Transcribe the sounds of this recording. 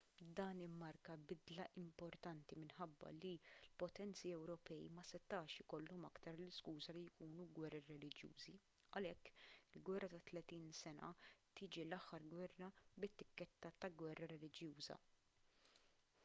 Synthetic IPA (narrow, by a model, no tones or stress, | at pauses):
d̪ɐːnɪmːɐɾkɐbɪd̪lɐʔɪmpɔɾt̪ɐnt̪imɪnħɐbːɐ̰lilpɔt̪ɛnt͡siɛwɾɔpɛḭmɐsɛt̪ːɐːʃɪkɔlːɔmɐkt̪ɐɾlɪskuːzɐlijkuːnuɡwɛrːiɾɛlɪd͡ʒjṵːzi | ɐlɛkːɪlɡwɛrːɐt̪ɐt̪lɛt̪iːnsɛnɐ̰t̪ɪːd͡ʒilɐħːɐɾɡwɛrːɐbɪt̪ːɪkːɛt̪ːɐt̪ɐɡwɛrːɐɾɛlɪd͡ʒjuːzɐ̰